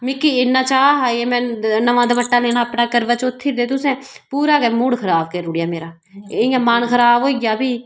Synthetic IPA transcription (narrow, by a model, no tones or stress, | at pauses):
mɪkːiːɪnːãːt͡ʃaːɦaːeːmɛ̃ːnəʋãːd̪abəʈːãːleːnaːəpnaːkəɾʋət͡ʃot̪ʰːiːɾd̪eːt̪ʊsɛ̃ː | puːɾaːɡɛːmʊɽkʰəɾaːbkeɾʊːɽɪjaːmeːɾaː | ejãːmaːnkʰəɾaːbɦoːiɡjaːbiː